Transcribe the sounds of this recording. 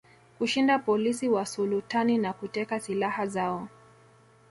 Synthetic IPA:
kuʃindapɔlisiwasulutaninakutɛkasilahazaɔ

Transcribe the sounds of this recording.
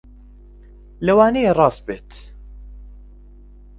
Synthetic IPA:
lɐwaːnejerˤɑːs̚beːt̪

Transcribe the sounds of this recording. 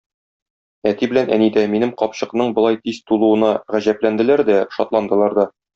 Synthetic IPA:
æt̪ibɘ̆lænʔænid̪æminɘmqɒpɕɤ̆qnɤɴbŏlˠɑjt̪izt̪ulˠuwɤ̆nɑʁæʑæplænd̪ɘ̆læɾd̪æʃɒt̪lˠɑnd̪ɤ̆lˠɑɾd̪ɑ

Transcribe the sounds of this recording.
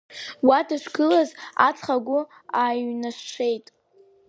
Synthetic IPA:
wadaʃʷɡɨlaza̰t͡sʰʼχaɡʷʊ | aːjnaʃʷʂʷʰe̞jtʼ

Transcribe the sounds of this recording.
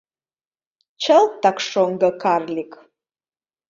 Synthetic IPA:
t͡ʃʰɐltʰakʰʂoŋɡɐkʰarlʲikʼ

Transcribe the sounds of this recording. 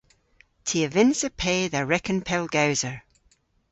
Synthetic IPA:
tʰiəvɪ̃nzəpʰeːðəɹɛkə̃npʰɛlˠɡaʊzəɹ

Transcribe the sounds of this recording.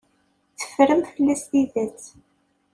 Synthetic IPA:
t͡sːə̥fɾəmfəlːæst̪iðæt͡s

